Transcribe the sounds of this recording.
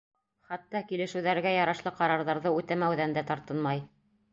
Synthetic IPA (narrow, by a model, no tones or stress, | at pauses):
χɑt̪ːɑkilɘ̆ʃɘ̆wðæɾɡæjɑɾɑʃlˠɤqɑɾɑɾðɑɾðɤʉt̪æmæwðænd̪æt̪ɑɾt̪ɤnmɑj